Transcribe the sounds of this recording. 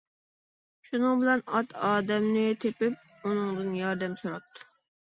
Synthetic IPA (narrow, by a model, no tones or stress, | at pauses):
ʃunɨŋbɪlɛnɑt̪ʰɑːd̪ɛmnɪt̪ʰepɪp̚ | unɨŋd̪ɨnjɑɾd̪ɛmsuɾɑp̚t̪ʰːʊ̥